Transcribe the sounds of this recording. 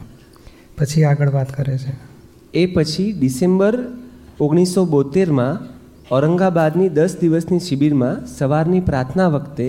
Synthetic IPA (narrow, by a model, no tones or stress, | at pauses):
pət͡ʃʰiaɡəɭʋat̪kəɾet͡ʃʰe | epət͡ʃʰiɖisembəɾoɡɽ̃isːobot̪eɾmã | ɔɾəŋɡabad̪nid̪əsd̪iʋəsniʃibiɾmãsəʋaɾnipɾaɾt̪ʰnaʋəkt̪e